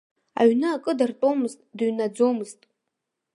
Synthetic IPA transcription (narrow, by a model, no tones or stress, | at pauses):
a̰ɥnɨːkʼɨdartʼomɨztʼdaɥnad͡zo̞mɨztʼ